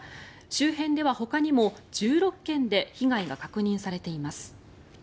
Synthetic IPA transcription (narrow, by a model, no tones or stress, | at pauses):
ɕɨːhẽ̞nd̪e̞βaho̞kaɲ̟imo̞d͡ʑɨːɾo̞kːẽ̞nd̪e̞çiɡaiɡakakɯ̟ɲ̟ĩɰ̃saɾe̞t̪e̞imasɨ̥